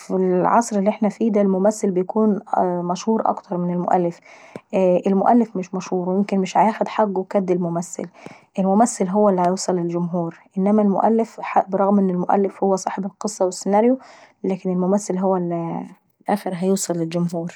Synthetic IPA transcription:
filʕɑsˤɾelːiʔeħnæfiːd̪ælmʊmæθːelbejækuːnmæʃhuːɾˤʔɑ̰kt̪ʰɑɾˤmɪnelmo̰ʔæ̰lːɪf | ʔelmʊʔælːefmɪʃmæʃhuːɾwjemkenmɪʃʕajæːxæd̪ħaɡːwekæd̪ːelmomæθːɪ̰l | ʔelmʊmæθːelɦowːælːihæjuːsˤɑlːeld͡ʒʊmɦuːɾʔɪnːæmælmʊ̰ʔælːefħabɾˤɑɣmʔenːelmoʔæ̰lːɪfhowːæsˤɑːħebelqɨsˤːɑwesːenæːɾjo | læːkɪnelmʊmæθːelɦowːæli | lʔæːxeɾɦæjuːsˤɑlːeld͡ʒʊmɦuːɾ

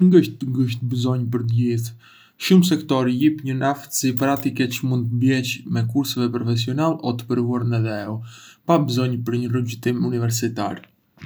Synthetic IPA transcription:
ɡəʃt̪ːəɡəʃ̬t̪bəzɔɲpəɾt̪əɟiθ | ʃumsɛkt̪ɔɾijipɲənaft̪ə̥sipɾat̪ikɛt͡ʃəmund̪t̪əbjɛt͡ɕmɛkuɾsəvɛpɾɔfɛs̬iɔnalɔt̪ə̥pəɾvuaɾnɛðɛɛupabəzɔɲpəɾɲəruɟut̪imunivɛɾsit̪a̰ɾ

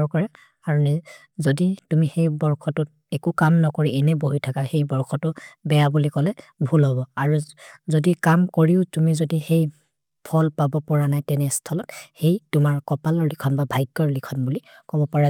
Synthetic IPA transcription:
ɔɹkɔɹɛ | aɹunɛ | zoditumixejbɔɹkʰɔtʊt̚ | ɛkukamnɔkɔɹiɛnɛboɦitʰakaxejbɔɹkʰɔtʊbɛjabulikɔlɛbʱulɦɔbɔaɹuzodikamkoɹiʊtumizodixej | pʰɔlpabɔpɔɹanajtɛnɛstʰɔlɔthejtʊmaɹkɔpalɔɹlikʰɔnbabʱajɡːɔɹlikʰɔnbulikɔbɔpaɹa

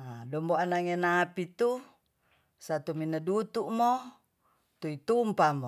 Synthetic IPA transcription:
adɔmboanaŋenapit̪u | sat̪uminadut̪uʔmo | t̪uit̪umpamo

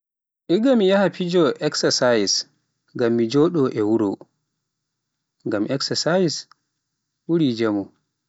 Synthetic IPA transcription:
ʔiɡamijahapʰid͡ʒɔʔɛksasajis | ŋɡamːid͡ʒɔɗɔʔɛwuɾo̰ | ŋɡamʔɛksasajis | wuɾid͡ʒɛmɔ

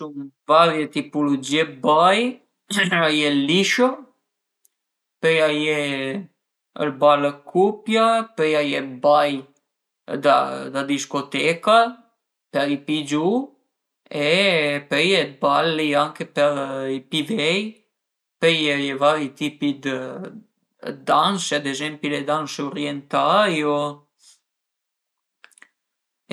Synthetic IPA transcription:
sunvaɾjɛt̪ipɔlɔd͡ʒiɛbaj | ajɛliʃɔ | pɛjajɛ | ə̰ɾbalkʰupjapɛjajɛbaj | d̪ad̪ad̪iskɔt̪ɛka | pɛɾipid͡ʒu | ɛpɛjɛbaliaŋkepɛipivɛj | pɛjajɛvaɾit̪ipid̪ə | d̪anʃɛd̪eʒɛmpilɛd̪anʃɔɾjɛnt̪ajo

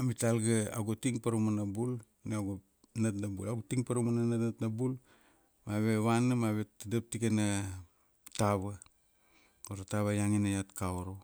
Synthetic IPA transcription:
amitalɡaa̰ɡotiŋpaɾomanabul | neaɡo | natnabṵlaɡotiŋpaɾomananatnatnabul | maβe̞βanamaβetdap̚tikena | taβa | koɾataβajaŋinajatkaoɾo

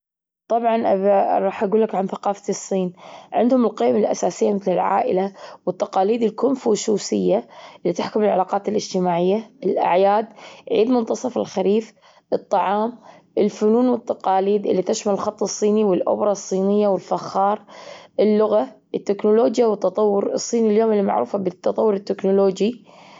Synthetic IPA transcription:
t̪ˤɑbʕɑnʔaɾˤɑːħʔaɡuːlːɪkʕanθaqɑːft̪ɨsˤːiːnʕɪ̰nd̪hʊmɪlqiːmalʔasaːsɪjːamɪθlɪlʕa̰ːʔɪ̰lawɪt̪ːɑqɑːliːd̪ɪlkʊmfuːʃuːsɪjːaʔɪlːit̪aħkʊmɪlʕalaːqɑːt̪ɪlʔɪd͡ʒ̥t̪ɪmaːʕɪjːaɪlʔa̰ʕjaːd̪ʕḭːd̪mʊnt̪ɑsˤɑfɪ̰lxaɾiːf | ʔɨt̪ˤːɑʕɑːmʔɪlfʊnuːnwɪt̪ːɑqɑːliːd̪ʔɪ̰lːit̪aʃmalɪlxɑt̪ˤːɨsˤːiːniwɪlʔʊ̰bɾˤɑsˤːiːnɪjːawɪlfaxːɑːɾˤʔɪlːʊɣaʔɪt̪ːɪknʊloːd͡ʒjawɪt̪ːɑt̪ˤɑwːʊɾɨsˤːiːniljoːmɪlːimaʕɾuːfabɪt̪ːɑt̪ˤɑwːʊɾɪt̪ːɪknʊloːd͡ʒi

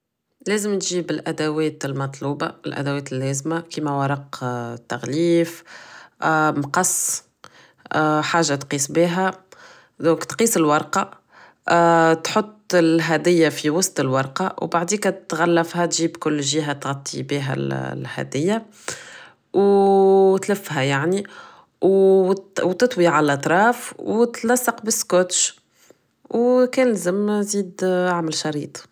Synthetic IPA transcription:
lɛːzəmt̪ʒiːbəlʔæd̪æwɛːt̪əlmɑt̪ˤluːba̰lʔæ̰d̪æwɛːt̪əlːɛːzmakimæwɑɾˤɑqt̪ːæɣliːf | mqɑsˤː | ħaːʒːat̪qiːsˤbiɦæ | d̪õːkt̪qiːsəlwɑɾˤqɑ | t̪ħot̪ˤːəlɦæd̪ɪjːafiwɑsˤt̪əlwɑɾˤqɑwbaʕd̪iːkæt̪ɣælːæfhæt̪ʒiːbkʊlːʒiːɦæt̪ɣɑt̪ˤːibiːɦæ̰llhæ̰d̪ɪjːa | w | t̪ləfːɦæjaʕni | w | wt̪ɪt̪ˤwiʕaləlʔɑt̪ˤɾˤɑːfwt̪lɑsˤːɑqbəskot̪ʃ | wkɛːnlzəmziːd̪ʕamælʃɑɾiːt̪ˤ

